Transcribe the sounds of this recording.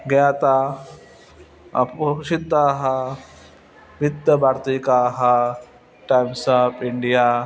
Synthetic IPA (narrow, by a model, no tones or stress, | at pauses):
ɡɐjaːt̪a | ɐ̰puʃid̪aːɦɐ | bid̪ːɐbʱaːɾt̪iːkaːɦɐ | ʈajmsapʰɪɳɖijaː